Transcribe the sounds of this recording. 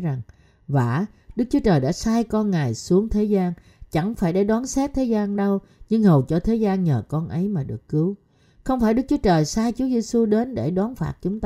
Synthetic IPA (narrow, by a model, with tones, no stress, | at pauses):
za˨˩ŋ | va̰ː˧˩ɗɨ˦˥k̚t͡ɕu˨˦ət͡ɕəː˨˩jɗa̰ː˧˥saː˧jkɔ˧nŋaː˨˩jsu˨˦əŋt̪ʰe˨˦zaː˧n | t͡ɕa˧˩ŋfaː˧˩jɗaː˧˩ɗwaː˨˦nsɛ˦˥t̚t̪ʰe˨˦zaː˧nɗə˧w | ɲɨ˧ŋhə˨˩wt͡ɕɔ˧t̪ʰe˨˦zaː˧nɲəː˨˩kɔ˧nʔə˨˦jmaː˨˩ɗɨ˨˩əkːɨ˨˦w | xə˧wŋ͡mfaː˧˩jɗɨ˦˥k̚t͡ɕu˨˦ət͡ɕəː˨˩jsaː˧jt͡ɕu˨˦əze˧su˧ɗe˨˦nɗe˧˩ɗwɔ˨˦nfa̰ː˨˩t̚t͡ɕʊ˨˦ŋ͡mt̪a˧